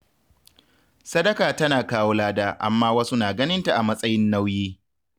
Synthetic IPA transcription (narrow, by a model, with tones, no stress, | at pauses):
sɐ˦dɐ˦kaː˨tɐ˦naː˨kaː˦woː˦laː˦daː˦ʔa̰˨mːaː˦wɐ˦su˦naː˨ɡɐ˦nɪ˦nta˨ʔa˨mɐ˦sʼɐ˦jɪ˦nːa˦wjiː˦